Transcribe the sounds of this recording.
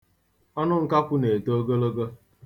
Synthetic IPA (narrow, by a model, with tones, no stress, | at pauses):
ɔ˦nʊ˦ŋ̩˦ka˦kʊ˦ne˨to˦o˦ɡo˦lo˦ɡo˦